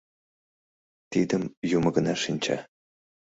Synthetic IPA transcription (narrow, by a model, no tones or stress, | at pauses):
t̪id̪əmjumə̆ɡə̆nɑʂinʲt͡ɕɑ̰